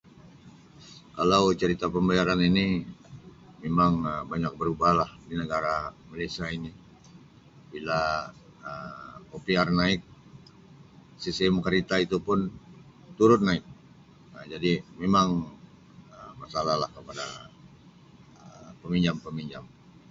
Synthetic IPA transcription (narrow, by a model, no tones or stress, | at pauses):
kalawt͡ʃəɾit̪apəmbajaɾanini | memaŋəbaɲak̚bəɾubahlahdinəɡaɾamalasiaini | bila | əopiarnaɪk̚ | sisɛmkəɾit̪ait̪upʊn | t̪uɾʊt̪̚naɪk̚ | əd͡ʒadimemaŋ | əmasalalahkəpada | əpəmiɲd͡ʒampəmiɲd͡ʒam